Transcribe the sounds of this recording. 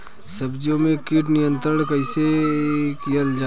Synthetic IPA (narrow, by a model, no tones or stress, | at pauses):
səbd͡ʒõmẽkiːʈ̬nɪjə̃nt̪ɾəɽ̃kɐɪseːkjəld͡ʒa